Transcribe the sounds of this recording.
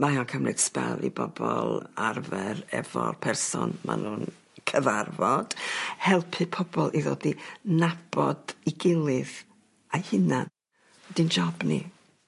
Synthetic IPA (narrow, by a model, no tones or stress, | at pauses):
majɔnkʰəmrɨd̥spɛlˠibɔbɔlˠarvɛrɛvɔrpʰɛrsɔnma̰nuːn | kʰəvarvɔd̥hɛlˠpʰɨpʰɔbɔlˠʔiðoːdinab̥ɔd̥iɡɪlˠɨð | ajhɪna | ɛdind͡ʒɔbni